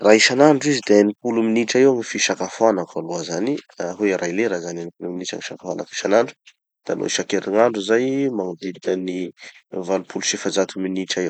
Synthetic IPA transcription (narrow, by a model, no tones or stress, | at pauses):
raiʃanaɳɖ͡ʐizid̪eanipuluminiʈ͡ʂaewŋifiʃakafanaaluazaniaɦueɾʔajleɾazananipuluminiʈ͡ʂa̰ŋiʃakafana̰ki̥ʃanaɳɖ͡ʐu̥ | d̪̥ano̰iʃakeɾiŋaɳɖ͡ʐuzajmaŋaviɾikənivalupuluʃefad͡zat̪uminiʈ͡ʂaew